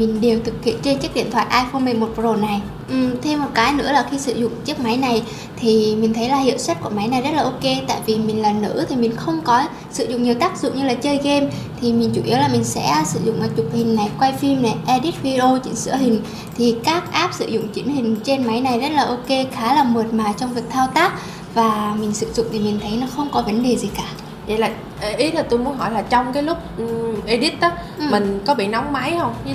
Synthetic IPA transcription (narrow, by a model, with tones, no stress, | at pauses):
mï˨˩ŋ̟ɗe˨˩wt̪ʰɨ˨˩k̚hḭ˧˨ənt͡ɕe˧nt͡ɕɨ˦˥k̚ɗḭ˧˨nt̪ʰwa̰ː˧˨ʔaː˧jfo˧nmi˧˩mo˨˩zo˨˩na˨˩j | ʔɨ˨˩t̪ʰe˧mːo˨˩t̚kaː˨˦jnɨ̰˧˥əlaː˨˩xi˧sɨ̰˧˨zʊ̰˧˨ŋ͡mt͡ɕɨ˦˥ək̚ma˨˦jna˨˩j | t̪ʰi˨˩mi˨˩ŋ̟t̪ʰə˨˦jlaː˨˩hḭ˧˨wswa˦˥t̚ku˧˩əma˨˦jna˨˩jzə˦˥t̚laː˨ʔo˧ke˧t̪a̰ː˧˨jvi˨˩mï˨˩ŋ̟laː˨˩nɨ̰˧˥t̪ʰi˨˩mï˨˩ŋ̟xə˧wŋ͡mkɔ˨˦ | sɨ̰˧˨zʊ̰˧˨ŋ͡mɲi˨˩əwt̪aː˦˥k̚zʊ̰˧˨ŋ͡mɲɨ˧laː˨˩t͡ɕəː˧jɣe˧mt̪ʰi˨˩mi˨˩ŋ̟t͡ɕu˧˩ʔi˨˦əwlaː˨˩mï˨˩ŋ̟sɛ̰˧˥sɨ̰˧˩zʊ̰˧˨ŋ͡mʔaː˨˩t͡ɕʊ˨˩k͡p̚hï˨˩ŋ̟na˨˩jkwa˧jfi˧mla˨˩ʔɛ˧ɗi˦˥t̚vi˧zo˧t͡ɕḭ˨˧˦nsɨ̰˧˥əɦï˨˩ŋ̟ | t̪ʰi˨˩kaː˦˥k̚ʔaː˦˥p̚sɨ̰˧˨zʊ̰˧˨ŋ͡mt͡ɕi˨˦ənhï˨˩ŋ̟t͡ɕe˧nma˨˦jna˨˩jzə˦˥t̚laː˨˩ʔo˧ke˧xaː˨˦laː˨˩mə˨˩ət̚maː˨˩t͡ɕɔ˧ŋ͡mvi˨˩ək̚t̪ʰaː˧wt̪aː˦˥k̚ | vaː˨˩mï˨˩ŋ̟sɨ̰˧˨zʊ̰˧˨ŋ͡mt̪ʰi˨˩mï˨˩ŋ̟t̪ʰə˨˦jnɔ˨˦xə˧wŋ͡mkɔ˨˦və˨˦nɗe˨˩zi˨˩kaː˧˩ | və̰˧˩laː˨˩˨ | ʔi˨˦˥tʰi˨˩t̪o˧jmu˨˦ənɦɔ˧˩jlaː˨˩t͡ɕɔ˧wŋ͡mkaː˨˦jlʊ˦˥k͡p̚ʔi˧ɗi˦˥t̚ɗ | mï˨˩ŋ̟kɔ˨˦ɓḭ˧˨na˨˦wŋ͡mma˨˦jhə˧wŋ͡m